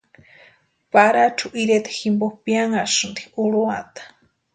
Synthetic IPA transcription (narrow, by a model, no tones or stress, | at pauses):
paɾat͡ʃʰuʔiɾet̪ḁximboxpjaŋaʃund̪iuɺuat̪ḁ